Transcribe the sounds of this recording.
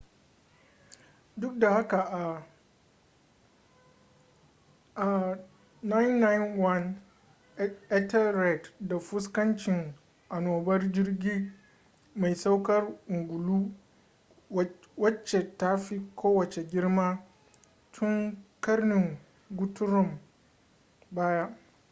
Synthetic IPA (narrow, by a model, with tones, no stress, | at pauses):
dʊ˦k̚da˨ha˦ka˨ʔa˨ | ʔa˨ | na˦jnːa˦jnwɐ˦n | ɛ˦tɛ˦ɾɛ˨tda˨ɸʊ˦skɐ˦nt͡ʃɪ˨ŋ | ʔa˨noː˨bɐ˦rd͡ʒɪ˦rɡʲiː˦ | ma˨jsa˦wkɐ˦rʔʊ˨ŋɡʷʊ˨luː˦ | wɐ˦t͡ʃːe˨ta˦ɸi˦kʷʰoː˦wɐ˨t͡ʃe˨ɡʲɪ˦ɽmaː˦ | tʰʊ˦ŋkɐ˦rnɪ˨ŋ | ɡʷʊ˦tʊ˦ɾʊ˦˨m | baː˦ja˦